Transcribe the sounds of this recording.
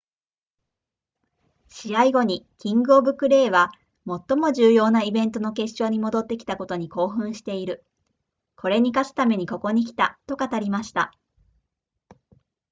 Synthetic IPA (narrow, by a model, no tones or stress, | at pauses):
ɕiaiɡo̞ɲ̟ikʲĩŋɡɯobɯ̟kɯ̟ɾe̞ːβa | mo̞t̪ːo̞mo̞ʑɨːjo̞ːnaibẽ̞nt̪o̞no̞ke̞ɕt͡ɕo̞ːɲ̟imo̞d̪o̞t̪ːe̞kʲi̥t̪ako̞t̪o̞ɲ̟iko̞ːɦɯ̟̃ɰ̃ɕi̥t̪e̞iɾɯ̟ | kʰo̞ɾe̞ɲ̟ikasɨ̥t̪ame̞ɲ̟iko̞ko̞ɲ̟ik̬ʲi̥t̪at̪o̞kat̪aɾʲimaɕi̥t̪a